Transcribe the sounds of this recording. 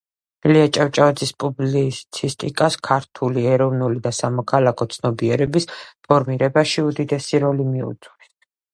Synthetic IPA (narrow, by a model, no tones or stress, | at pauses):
liat͡ʃʼaft͡ʃʼaad̪zispʼublit̪sʰist̪ʼikʼaskʰaɾt̪ʰuliɛɾɔvnulid̪asamɔkʰalˠakʰɔt̪sʰnɔbiɛɾɛbispʰɔɾmiɾɛbaʃiud̪id̪ɛsiɾɔlimiṵt̪sʼwɾɛ